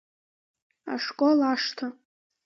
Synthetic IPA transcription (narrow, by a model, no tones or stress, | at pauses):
a̰ʂkʼolaʂtʰa